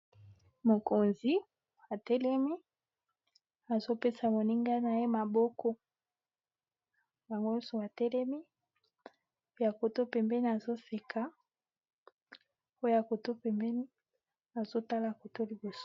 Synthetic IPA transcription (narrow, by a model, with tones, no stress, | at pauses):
mo˨ko˨nzi˦ | a˨tɛ˦lɛ˦mi˦ | a˨zo˦pe˦sa˨mo˨ni˦ŋɡa˦na˨je˦ma˨bɔ˦kʰɔ˦ | ja˨ŋɡo˦ɔ˦so˨a˨tɛ˦lɛ˦mi˦ | ja˨ko˨to˦pɛ˨mbɛ˦ni˨a˨zo˦se˨kʰa˦ | o˦ja˨ko˨to˦pɛ˨mbɛ˦ni˦ | a˨zo˦ta˦la˨ko˨to˦li˨bo˨so̥˦